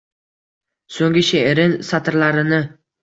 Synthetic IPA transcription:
soŋɡʲɪʃeʔeɾɪnsat̪ʰɪɾlaɾɪnɪ

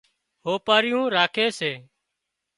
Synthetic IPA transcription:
ɦoːpaːɾɪjũːɾaːkʰeːseː

